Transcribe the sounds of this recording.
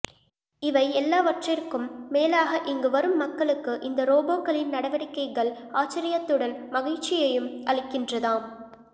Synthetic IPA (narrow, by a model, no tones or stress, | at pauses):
ɪʋɐɪɛlːaːʋɐʈrɪrkːɯmːeːlaːɣɐʔɪŋɡɯʋɐɾɯmːɐkːɐɭɯkːɯʔɪnd̪ɐɾoːboːkːɐɭɪnnɐɽɐʋɐɽɪkːɐɪɣɐɭ | aːt͡ʃːɪɾɪjɐt̪ːɯɽɐnmɐɣɐɻt͡ʃːɪjɐjɯmɐɭɪkːɪndrɐðaːm